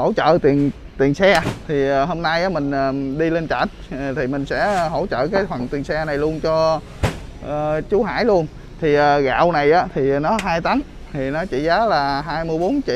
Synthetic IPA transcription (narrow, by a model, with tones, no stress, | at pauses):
ho̰˧˩t͡ɕə̰ː˧˨t̪i˨˩ən | t̪i˨˩nsɛ˧t̪ʰi˨˩əː˨˩ɦo˧mna˧jʔaː˨˦mï˨˩ŋ̟ʔəː˨˩ɗi˧le˧nt͡ɕa̰ː˧˩t̚t̪ʰi˨˩mï˨˩ŋ̟sɛ̰˧˥ɦo̰˧˥t͡ɕə̰ː˧˨kaː˨˦jfə˨˩nt̪i˨˩ənsɛ˧na˨˩jlu˧ənt͡ɕɔ˧ | ʔt͡ɕu˨˦ɦa̰ː˧˥˩jlu˧ən | t̪ʰi˨˩ʔəː˨˩ɣa̰ː˧˨wna˨˩jʔaː˨˦t̪ʰi˨˩nɔ˨˦ɦaː˧jt̪a˨˦n | t̪ʰi˨˩nɔ˨˦t͡ɕḭ˧˩zaː˨˦laː˨˩ɦaː˧jmɨ˧əjɓo˨˦nt͡ɕḭ˧˨